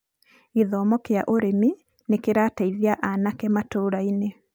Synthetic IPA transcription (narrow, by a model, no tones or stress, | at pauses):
iðɔːmɔkea̰ʔoɾemi | nekeɾaːtaiðiaʔanakɛmatoːɾaine